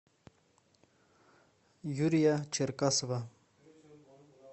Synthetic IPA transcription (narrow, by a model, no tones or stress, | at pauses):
juɾijat͡ʃɪɾkaswa